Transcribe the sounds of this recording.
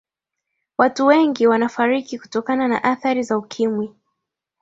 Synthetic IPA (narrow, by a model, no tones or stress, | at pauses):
watuwɛŋɡiwanafaɾikiku̥tɔkanana̰ʔaθaɾizaukʰimwi